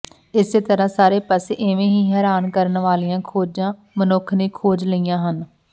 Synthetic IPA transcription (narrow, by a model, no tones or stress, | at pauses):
ɪseːt̪əɾãːsaːɾeːpəseʔɪʋẽːɦiːɦɛːɾaːnkəɾənʋaːlijãːkʰoːd͡ʒãː | mənʊkʰneːkʰoːd͡ʒləijãːɦən